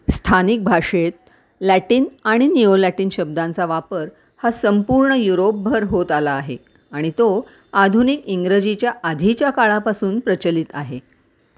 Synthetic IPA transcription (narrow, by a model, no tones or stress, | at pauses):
st̪ʰanik̚bʱaʂet̪̚ | læʈiːnaɽ̃iniolæʈiːnɕəb̚d̪ãnt͡saʋapəɾ | hasəmpuɾɳəjuɾop̚bʱəɾɦot̪alaːɦe | aɽ̃it̪o | ad̪ʱunikiŋɡɾəd͡ʑit͡ɕjaʔad̪ʱit͡ɕjakaɭapasuːnpɾət͡ɕəlit̪aɦe